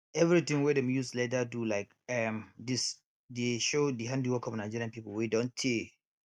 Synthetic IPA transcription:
ɛvɹit̪ĩŋwɛdɛ̃mjuslet̬ətulaɪk | ɛmdis | deʃodiɦãndiwɔkɔ̃mnaɪd͡ʒiɹiãnpipəlwedõntʰe

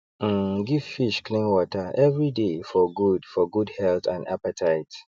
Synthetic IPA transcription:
ɡiv̥fiʃklĩnwɔtʰə˞ʔɛvɹidefɔɡudfɔɡudhɛltãnda̰pətʰaɪt

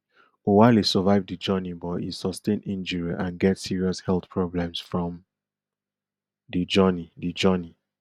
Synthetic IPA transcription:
owaɪlisɔvaɪvdid͡ʒɜnibɔtḭsɔstẽnĩnd͡ʒəɹiʔãnɡɛtsiɹiɔshɛlθpʰɹɔblɛ̃msfɹɔ̃m | did͡ʒɜnidid͡ʒɜni

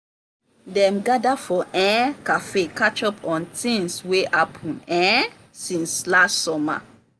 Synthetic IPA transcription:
dɛ̃mɡadafɔʔɛ̃kafekat͡ʃɔpʰɔ̃ntʰĩnsweʔapʰɔ̃nɛ̃ | sĩnslastsɔma̰

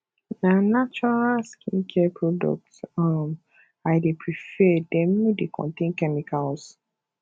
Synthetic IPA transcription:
nanat͡ʃɔɹalskʰĩnkʰɛɛpʰɹɔdɔ̰k̚tam | ajdepɹifɛdɛ̃mːidekʰɔ̰̃ntẽnkɛmikals

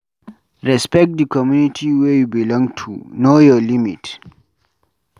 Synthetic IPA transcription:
ɹɛspɛk̚t̚d̪ikɔmjunitʰiwejubilɔ̃ŋɡtʰṵnojɔlimḭt

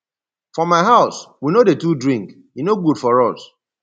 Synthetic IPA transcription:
fɔmaɪɦaʊswinodetudɹĩŋk | inoɡudfɔɹɔs

